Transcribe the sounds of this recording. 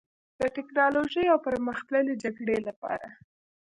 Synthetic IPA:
d̪̥əʈɪknɑloʒəjawpəɾməxt̪ləled͡ʒaɡɽelapɑ̰ɾa

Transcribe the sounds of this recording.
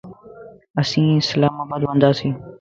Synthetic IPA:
əsĩːsəlaːmaːbaːd̪ʋə̃nd̪aːsĩː

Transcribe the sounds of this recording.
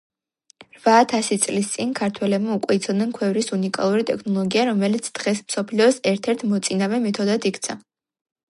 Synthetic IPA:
ɾvaːt̪ʰasit̪sʼlist̪sʼinkʰaɾt̪ʰwɛlɛbmaukʼwɛit̪sʰɔd̪nɛnkʰwɛvɾisunikʼa̰lˠuɾit̪ʼɛkʰnɔlˠɔɡiaɾɔmɛlit̪sʰd̪̥ʁɛsmsɔpʰliɔsɛɾt̪ʰɛɾt̪ʰmɔt̪sʼinavɛmɛt̪ʰɔd̪ad̪ikʰt̪sʰa

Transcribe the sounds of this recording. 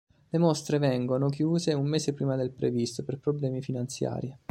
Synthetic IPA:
lemost̪ɾevɛŋɡonok̬juːzeumːeːsepɾiːmad̪elpɾevist̪operpɾoblɛːmifinant̪sja̰ːɾi

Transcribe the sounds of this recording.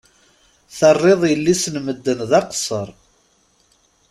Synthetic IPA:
θərˤːeðˤjəlːisnməd̪ːənðɑqsˤəɾˤ

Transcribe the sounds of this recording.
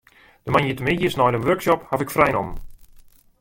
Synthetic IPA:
d̥əmanjətəmɪdjəsnɔjdənʋørksɔphavɪkfrɛjnɔ̰m

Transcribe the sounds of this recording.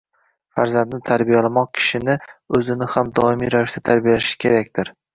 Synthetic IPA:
faɾzand̪nɪt̪ʰaɾbijalamɒq̚kʲʰɪ̥ʃɪnɪɵzɪnɪhamd̪ɒɪmijɾavɪʃd̪at̪ʰaɾbijalʃɪ̥kʲʰe̞ɾakʲt̪ɪɾ

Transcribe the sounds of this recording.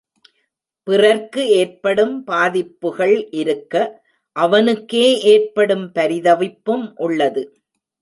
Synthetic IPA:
pɪrɐɾkɯeːrpɐɽɯmpaːðɪpːɯɣɐɭʔɪɾɯkːɐ | ʔɐʋɐnɯkːeːeːrpɐɽɯmpɐɾɪðɐʋɪpːɯmʔʊɭːɐðɯ

